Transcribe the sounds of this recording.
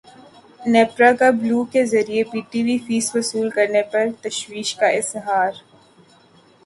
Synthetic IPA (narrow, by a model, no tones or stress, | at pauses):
nɛːpɾakabluːkezɐɾiepiːʈiʋifiːsʋɐsuːlkɐɾnepɐɾt̪ɐʃwiːʃkaɪzɦaːɾ